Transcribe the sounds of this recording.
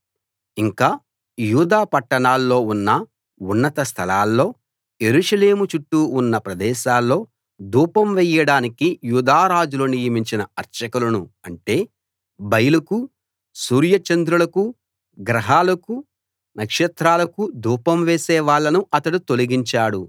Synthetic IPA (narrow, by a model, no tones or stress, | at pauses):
iŋkaː | juːd̪aːpɐʈːɐɳaːlːo̞ːunːɐ | unːɐt̪ɐst̪ʰɐlaːlːo̞ː | je̞ɾuʂɐleːmut͡ʃuʈːuːnːɐpɾɐd̪ɛːʃaːlːo̞ː | d̪uːpɐmʋɛjɐɽaːnikijuːd̪aːɾaːd͡ʒuloːnijɐmiɲt͡ʃinɐɐɾt͡ʃɐkulɐnuɐɳʈe̞ː | bɐjɐlɐku | suːɾjɐt͡ʃɐnd̪ɾulɐku | ɡɾɐɦaːlɐku | nɐkʂɛt̪ɾaːlɐkud̪uːpɐmʋeːsɛːʋaːɭːɐnuʔɐt̪ɐɽut̪o̞liɡiɲt͡ʃaːɽu